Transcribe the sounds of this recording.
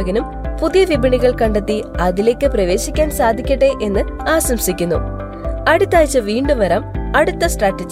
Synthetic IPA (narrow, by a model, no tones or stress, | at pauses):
ɣɐnum | puðijɐʋibɐɳiɣɐɭkɐɳɖet̪ːiɐðile̞ːkːɨprɐʋe̞ːɕikʲːaːnsaːd̪ʱikʲːɐʈːeʔe̞nːɨ | aːɕɐmsikʲːunːṵ | ɐɽut̪ːaːjt͡ɕːɨʋiːɳɖɨʋɐɾaːmɐɽut̪ːɐsʈraːʈːɐd͡ʑ